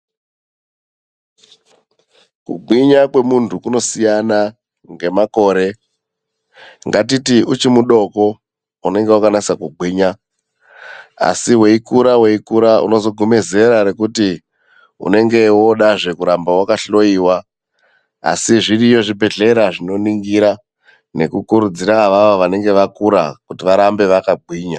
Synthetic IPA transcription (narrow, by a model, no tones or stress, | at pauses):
kṵɡ͡bʱiɲakwe̞muntʰukuno̞sijana | ŋɡe̞mako̞ːɾe̞ | ŋɡat̬itiut͡ʃimuɗo̞ko̞ | une̞ŋɡewakanaisakuɡ͡bʱiːɲa | a̰siɦwe̞ikuɾawe̞ikuɾaṵno̞zo̞ɡʱume̞ze̞ɾaɾe̞kuti | ṵne̞ŋɡe̞wo̞ɗaʐe̞kuɾambawakaɬo̞iːwa | a̰siʐirijo̞ʐibʱe̞ɮe̞ɾaʐino̞niŋɡiɾa | ne̞̰kukuɾud͡ziɾaʋaʋoʋane̞ŋɡe̞ʋakuɾa̰kutiʋaɾambe̞ʋakaɡ͡bʱwiːɲa